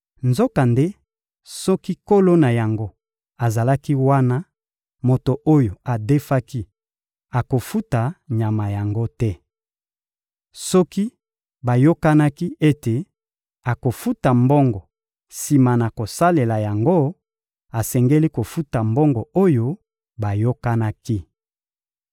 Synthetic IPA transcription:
nzo˦ka˨nde˦ | sɔ˦ki˦ko˦lo˦na˨ja˨ŋɡo˦ | a˨za˨la˦ki˦wa˦na˦ | mo˨to˨ʔo˦jo˨a˨de˦fa˦ki˦ | a˨ko˨fu˦ta˨ɲa˨ma˨ja˨ŋɡo˦tɛ˦ | sɔ˦ki˦ | ba˨jo˦ka˦na˦ki˦e˦te˨ | a˨ko˨fu˦ta˨mbɔ˦ŋɡɔ˨ | si˨ma˨na˨ko˨sa˦le˨la˨ja˨ŋɡo˦ | a˨sɛ˨ŋɡe˦li˦ko˨fu˦ta˨mbɔ˦ŋɡɔ˨o˦jo˦ | ba˨jo˦ka˦na˦ki˦

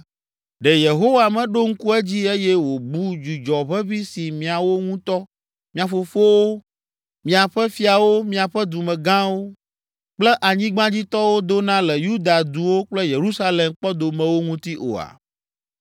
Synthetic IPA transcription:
ɖɛ˨je˨ɦo˦wa˨mɛ̃˨ɖo˦ŋ̩˦ku˦ɛ˦d͡ʑi˦e˦jɛ˦wo˨bu˦d͡ʒu˨d͡ʒɔ˨βɛ˦βi˦si˨mĩ˨a˨wo˦ŋũ˦t̪ɔ˦ | mĩ˦ã˨fo˨fo˦wo˦ | mĩ˨a˨ɸɛ˦fi˦a˨wo˦mĩ˦a˨ɸɛ˦d̪u˨mɛ̃˨ɡã˦wo˦ | k͡plɛ˦ʔa˨ɲĩ˦ɡ͡bã˦d͡ʑi˦t̪ɔ˦wo˦d̪o˦nã˦lɛ˨ju˦d̪a˨d̪u˨wo˦k͡plɛ˦je˨ɾu˦sa˦le˨mk͡pɔ˦d̪o˨mɛ̃˨wo˦ŋũ˦t̪i˦ʔo̰˨a̰˨

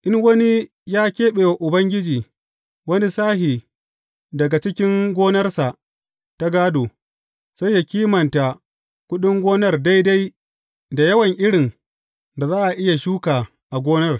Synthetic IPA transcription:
ʔɪ˦ŋwɐ˦ni˦ | jaː˦kʲeː˦ɓeː˨wa˨ʔʊ˨bɐ˦ŋɡʲɪ˦d͡ʒiː˨ | wɐ˦ni˦saː˦hi˨ | dɐ˨ɡa˨t͡ʃɪ˦kʲɪ˦ŋɡʷoː˦nɐ˦rsa˨ | ta˦ɡaː˦doː˨ | sa˦jːa˨kʲiː˦mɐ˨nta˨ | kʷʊ˦ɗɪ˦ŋɡʷoː˦nɐ˦rda˦jda˦j | da˨jɐ˦wɐ˨ŋʔɪ˦ɽɪ˨ŋ | da˨zaː˦ʔa˨ʔɪ˦ja˨ʃuː˦kaː˨ | ʔa˨ɡʷoː˦nɐ˦r

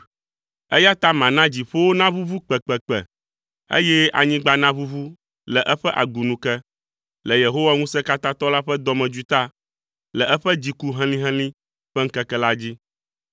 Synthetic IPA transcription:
ɛ˦ja˦t̪a˦mã˨nã˦d͡ʑi˨ɸo˦wo˦nã˦vu˦vu˦k͡pɛ˨k͡pɛ˨k͡pɛ̰˨ | ḛ˦jɛ˦a̰˨ɲĩ˦ɡ͡ba˦nã˦vu˦vu˦ | lɛ˨ʔɛ˦ɸɛ˦ʔa̰˨ɡu˨nũ˨kɛ˦ | lɛ˨je˨ɦo˦wa˦ŋũ˦sɛ˦ka˦t̪ã˦t̪ɔ˦la˦ɸɛ˦d̪ɔ˨˦mɛ̃˨d͡ʒu˦t̪a˦ | lɛ˨ʔɛ˦ɸɛ˦d͡ʑi˨ku˦ɦɛ̃˦lĩ˦ɦɛ̃˦lĩ˦ | ɸɛ˦ŋ̩˦kɛ˦kɛ˦la˦d͡ʑi˦

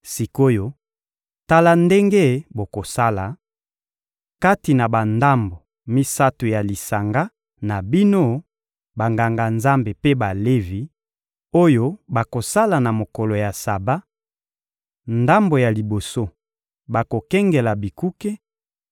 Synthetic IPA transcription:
si˨ko˦jo˦ | ta˦la˦nde˦ŋɡe˦bo˨ko˨sa˦la˨ | ka˦ti˨na˨ba˨nda˦mbo˨ | mi˦sa˦to˨ja˨li˨sa˨ŋɡa˦ | na˨bi˦no˦ | ba˨ŋɡa˨ŋɡa˨nza˦mbe˨pe˦ba˨le˦vi˨ | o˦jo˦ba˨ko˨sa˦la˨na˨mo˨kɔ˨lo˨ja˨sa˨ba˦ | nda˦mbo˨ja˨li˨bo˨so˦ | ba˨ko˨kɛ˦ŋɡɛ˨la˨bi˨ku˦ke˦

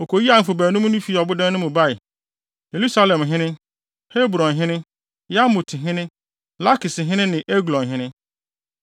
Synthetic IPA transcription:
o˨kʰo˨ji˦a˨m̩˨fʊ˨bæː˨nũ˦m̃˦nʊ̃˦fi˦˨ɔ˨bʊ˦dã˦nʊ̃˦mʊ̃˨ba˦ɪ˨ | je˨lu˦sa˦lɛ̃˨mɦɪ̃˦nɪ̃˦ | he˦bɾɔ̃˨nɦɪ̃˦nɪ̃˦ | ja˦mʊ˨tʰɪ˨ɦɪ̃˦nɪ̃˦ | la˦kɪ˨sɪ˨ɦɪ̃˦nɪ̃˦nɪ̃˨ʔe˦ɡlɔ̃˨nɦɪ̃˦nɪ̃˦

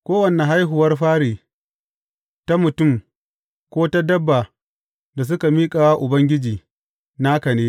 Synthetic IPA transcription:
kʷoː˦wɐ˨ne˨ɦa˦jɦʊ˨wɐ˦rɸaː˦ɽeː˨ | ta˦mʊ˨tʊ˦˨m | kʷoː˦ta˦dɐ˦bːa˨ | da˨s̬ʊ˦ka˨miː˦kʼaː˨wa˦ʔʊ˨bɐ˦ŋɡʲɪ˦d͡ʒiː˨ | na˦kɐ˨neː˦

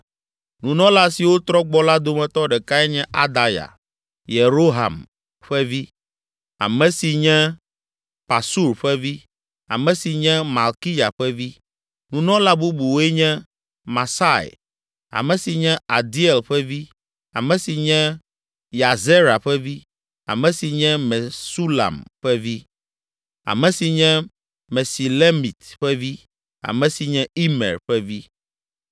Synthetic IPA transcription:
nũ˨nɔ̃˦la˦si˨wo˦t̪ɾɔ˦ɡ͡bɔ˦la˦d̪o˦mɛ̃˨t̪ɔ˦ɖɛ˨ka˦ɛ˦ɲɛ̃˦ʔa̰˦d̪a˨ja̰˨ | je˨ɾo˦ɦa̰˨m | ɸɛ˦vi˦ | a̰˨mɛ̃˨si˨ɲɛ̃˦ | pa˨su˦ɾɸɛ˦vi˦ | a̰˨mɛ̃˨si˨ɲɛ̃˦ma˨lki˦ja˨ɸɛ˦vi˦ | nũ˨nɔ̃˦la˦bu˦bu˨wo˦ɛ˦ɲɛ̃˦ | ma˨sa˦˨ḛ˨ | a̰˨mɛ̃˨si˨ɲɛ̃˦a˨d̪i˦ɛ˨lɸɛ˦vi˦ | a̰˨mɛ̃˨si˨ɲɛ̃˦ | ja˨ze˦ɾa˨ɸɛ˦vi˦ | a̰˨mɛ̃˨si˨ɲɛ̃˦mɛ˨su˦la̰˨mɸɛ˦vi˦ | a̰˨mɛ̃˨si˨ɲɛ̃˦ | mɛ˨si˨le˦mi˨t̪ɸɛ˦vi˦ | a̰˨mɛ̃˨si˨ɲɛ̃˦i˦mɛ̰˨ɾɸɛ˦vi˦

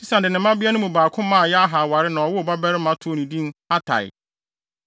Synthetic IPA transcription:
si˦sã˨dɪ˨nɪ̃˨mã˦bɪ˦a˦nʊ̃˦mũ˨baː˨kʰʊ̃˦mã˦a˨jɛ˦a˦ɦa˨wa˨ɾɪ˦nã˨ɔ˨wʊ˦˨ba˦bɛ˦ɾɪ˦mã˦tʰʊ˦o˦˨nĩ˨dĩ˦n˦a˦tʰa̰˨jɪ̰˨

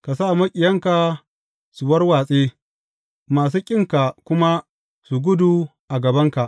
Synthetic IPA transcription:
ka˨sa˦˨mɐ˦kʲʼɪ˨jɐ˦ŋka˨ | su˨wɐ˦rwaː˨sʼeː˦ | maː˨s̬uː˦kʲʼɪ˦ŋka˨kʷʊ˦ma˦ | su˨ɡʷʊ˦du˨ʔa˨ɡɐ˨bɐ˦ŋka˨ʔ

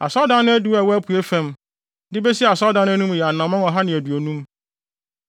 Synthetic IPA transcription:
a̰˨sɔ˦dã˦nʊ̃˦æ˦du˦a˨wɔ˦æ˦pʰu˨e˦fɛ̃˦m | dɪ˦be˦si˦˨a˨sɔ˦dã˨˦nʊ̃˦æ˦nũ˦m˨jɛ˨a˨nã˨mːã˦ŋɔ˨ɦa˦nɪ̃˨æ˨du˨o˨nũ˦m

